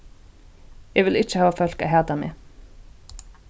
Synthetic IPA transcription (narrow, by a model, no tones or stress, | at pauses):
jɛʋɪlɪt͡ʃːəhɑːʋafœl̥ka̰ɦæːt̪amḛː